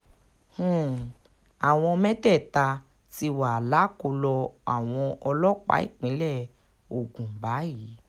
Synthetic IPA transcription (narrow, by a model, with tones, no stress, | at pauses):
hũ˦˨ | a˨w̃ɔ̃˧mɛ̃˦tɛ˦˨ta˧ | ti˧wa˨la˨˦ko˧lɔ˧a̰˨w̃ɔ̃˧ʔɔ˧lɔ˦k͡pa̰˨˦ḭ˦˨k͡pĩ˨˦lɛ˦˨ | o˨ɡũ˨ba˨˦ji˨˦